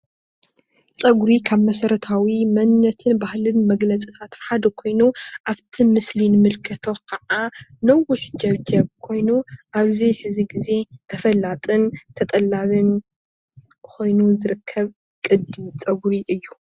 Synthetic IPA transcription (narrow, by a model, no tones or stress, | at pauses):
t͡sʼɐɡɾikʰaβmɐsɐɾɐt̪ʰawimɐnːɐt̪ʰɨnbahlɨnmɐɡlɐt͡sʼit̪ʰat̪ħad̪ɐkʰo̞jnuʔaβt̪ʰimɨslinɨmɨlkʰɐt̪ʰo̞kʰɐʕanɐwʊħd͡ʒɐβd͡ʒɐβkʰo̞jnuʔaβziħɨziɡize̞t̪ʰɐfɐlːat̪ʼɨnt̪ʰɐt̪ʼɐlːaβɨn | kʰo̞jnuzɨɾɨkʰːɐβ | kʼɨd̪it͡sʼɐɡɾiʔɨjːu